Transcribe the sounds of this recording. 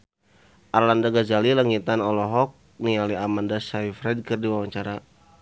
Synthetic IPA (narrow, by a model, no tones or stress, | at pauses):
ʔarlandaɡad͡ʒalilaŋit̪anɔlɔɦɔk̚ | nialiamandasaifɾɛd̚kɨrdiwawaɲt͡ʃaɾa